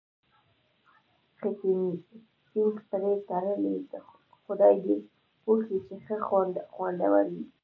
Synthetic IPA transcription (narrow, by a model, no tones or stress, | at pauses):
xɪt̪ini | tinxpəɾet̪aɾəled̪ə | xʊd̪ɑjd̪e | poxit͡ʃexəxwand̪xwand̪a̰waɾi